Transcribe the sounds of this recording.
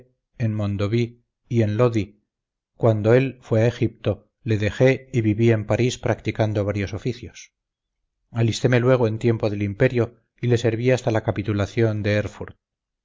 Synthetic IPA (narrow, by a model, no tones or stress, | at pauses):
enmõ̞nd̪o̞βiː | e̞nlo̞ði | kwand̪o̞e̞lfwe̞aexip̚t̪o | le̞ðe̞xe̞iβiβie̞mpaɾispɾakt̪ikand̪o̞βaɾjo̞so̞fiθjos | alist̪e̞me̞lwe̞ɣ̞oe̞nt̪je̞mpo̞ðe̞limpe̞ɾjo̞ | ile̞se̞ɾβiast̪alakapit̪ulaθjo̞nd̪e̞eɾfuɾt